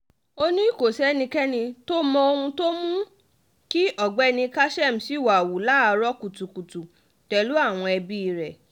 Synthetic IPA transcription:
o˦nĩ˦i˦˨ko˨sɛ˦nĩ˧kɛ˦nĩ˧to˦mɔ̃˧o˧ũ˧to˦mũ˦ | ki˦ʔɔ˦˨ɡ͡bɛ˦˧nĩ˧ka˦ʃɛ˦˨m̩˨si˨˦˨wa˨wu˨la˦a˧ɾɔ˦ku˨tu˨ku˨tu˨ | tɛ˨lu˦a˦˨w̃ɔ̃˧ɛ˧bi˦i˧˨ɾɛ˨

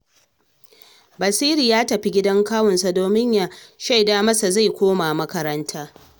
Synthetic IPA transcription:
bɐ˨siː˦ɾiː˨jaː˦tɐ˨ɸi˦ɡʲɪ˦dɐ˦ŋkaː˦wɔ˨nsa˨doː˨mɪ˦ɲja˨ʃa˦jdaː˦mɐ˦sa˨za˦˨jkʷoː˦ma˨mɐ˦kɐ˦ɾɐ˦ntʰaː˦

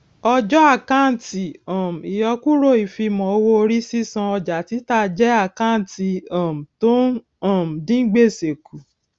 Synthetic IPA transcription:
ɔ˧d͡ʒɔ˦a˦˨ka˦˨ti˨ɔ̃˨m̩˨i˨jɔ˧ku˦ɾo˦˨i˨fi˧mɔ̃˨o˧wo˦o˧ɾi˦si˦sã˧ɔ˧d͡ʒa˨ti˨˦ta˧˨d͡ʒɛ˦a˦˨ka˦˨ti˨ɔ̃˨m̩˨to˦ | ɔ̃˦˨m̩˨dĩ˦ɡ͡be˦˨se˨ku˨

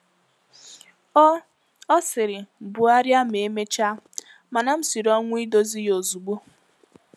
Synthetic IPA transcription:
ɔ˦sɪ˨ɾɪ˨m̩˨bʊ˨a˦ɾja˦me˨˦me˦t͡ʃa˦ | ma˨na˨m̩˦si˨ɾɔ˦ŋʷ˦i˦do˦zi˦jo˨zu˨ɡ͡bo˦

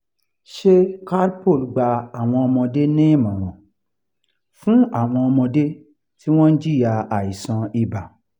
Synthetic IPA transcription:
ʃe˦ka˦ɾpo˦˨lɡ͡ba˧a˨w̃ɔ̃˧ɔ˧mɔ̃˧de˦nẽ˦˨mɔ̃˨ɾ̃ɔ̃˨ | fũ˦a˦˨w̃ɔ̃˧ɔ˧mɔ̃˧de˦ | ti˦w̃ɔ̃˦n̩˦d͡ʒi˦˨ja˧a˨i˨sã˧i˨ba˨

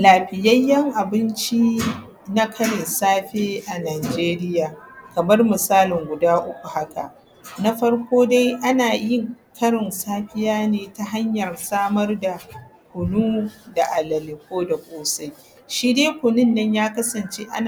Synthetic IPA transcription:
laː˨ɸɪ˨jɐ˦jːɐ˦ŋʔa˨bɪ˦nt͡ʃi˦ | na˦kʰɐ˦ɽɪ˨nsaː˦ɸeː˦ʔa˨naː˨d͡ʒeː˦ɾɪ˦jaː˨kɐ˨mɐ˦rmɪ˨saː˦lɪ˨ŋɡʷʊ˨daː˦ʔʊ˦kʷu˨ha˦ka̰˨ʔ | na˦ɸɐ˦ɽkʷoː˦da˦jʔa˦naː˨jɪ˦ŋkɐ˦ɽɪ˨nsaː˦ɸɪ˦jaː˦neː˨ta˦ɦa˦ɲjɐ˨rsaː˦mɐ˦rda˨kʷʊ˨nuː˦da˨ʔa˨lɐ˨lɪ˨k̚ʷoː˦da˨kʷʼoː˦sa˦j | ʃiː˦deː˦kʷʊ˨nɪ˦nːɐ˦ɲjaː˦kɐ˦sɐ˨nt͡ʃeː˦ʔa̰˦n˨

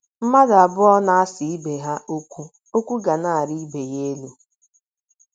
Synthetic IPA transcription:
m̩˦ma˦da˨bʊ˦ɔ˦na˦a˦si˨i˦be˨ɦa˦ʔo˦kʷu˦ | o˦kʷu˦ɡa˨na˦˨a˨ɾi˦be˨je˦e˦lu˦

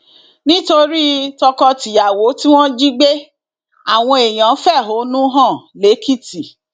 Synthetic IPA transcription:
nĩ˦to˧ɾi˦tɔ˧kɔ˧ti˨ja˨wo˨˦ti˦w̃ɔ̃˦d͡ʒi˦ɡ͡be˦ | a˦˨w̃ɔ̃˧e˨j̃ã˨˦fɛ˦˨ɦo˨˦nũ˦ɦã˦˨le˨˦kʰi˦˨ti˨

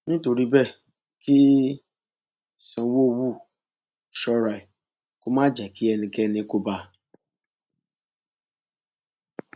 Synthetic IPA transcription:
nĩ˦to˨ɾi˦bɛ˦˨ | kʰi˦ | sɔ̃˨˦wo˦˨wu˦˨ | ʃɔ˦ɾa˨i˨ | kʊ˦mã˦d͡ʒɛ˨ki˦ɛ˨nĩ˨kɛ˦ni˦ko˦ba˧

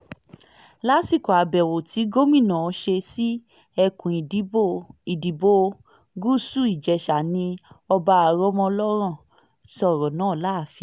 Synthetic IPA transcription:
la˦si˦˨kɔ˨a˨bɛ˨wo˨ti˨˦ɡo˦mĩ˦˨nã˨ɔ˨˧˦ʃe˧si˦ | ɛ˧kũ˨i˨˦i˨di˨bo˧ | ɡu˦su˦˨i˨d͡ʒɛ˨ʃa˨nĩ˧ɔ˧ba˧a˨ɾɔ˦mɔ̃˧lɔ˦ɾ̃ã˦˨ | sɔ˦˨ɾɔ˨nãː˨˦˨la˦˨fi˧˨

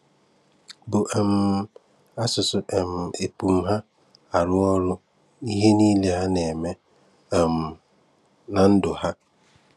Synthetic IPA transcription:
bʊ˨ʔɛ˨m˨ | a˦sʊ˨sʊ˨ʔɛ˨m˨e˨pu˨m̩˦ɦa˦ | a˨ɾʊ˦ɔ˦ɾʊ˦ | i˦ɦe˦niː˦le˦ɦa˦ne˨me˦˨ | m̩˨ | na˨n̩˦dʊ˨ha˦

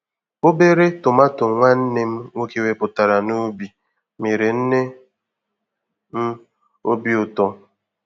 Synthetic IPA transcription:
o˦be˦ɾe˦tʊ˨ma˦tʊ˨ŋʷa˦n̩˦ne˦m̩˦ŋʷo˦ke˦we˦pʊ˨ta˨ɾa˨no˦bi˨ | me˨ɾe˨n̩˦ne˦ | m̩˦ | o˦bi˦ʊ˨tɔ˦

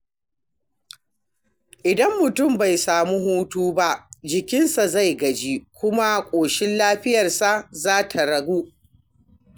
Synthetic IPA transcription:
ʔɪ˨dɐ˦mːʊ˨tʊ˦˨mba˨jsaː˨mu˦ɦuː˦tuː˦ba˦ʔd͡ʒɪ˨kʲɪ˦nsa˨za˦˨jɡɐ˨d͡ʒi˦kʷʊ˦ma˦kʷʼoː˨ʃɪ˦nlaː˦ɸɪ˦jɐ˨rsa˦zaː˦tʰa˨ɽɐ˨ɡuː˦

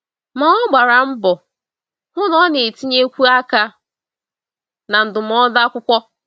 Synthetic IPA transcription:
ma˨ɔ˦ɡ͡ba˨ɾa˨m̩˦bɔ˨ | ŋʷʊ˦nɔ˦ne˨ti˦ɲe˦kʷu˦a˦ka˦ | na˨n̩˨dʊ˨m̩˨˦ɔ˦da˦kʷʊ˦kʷɔ˦

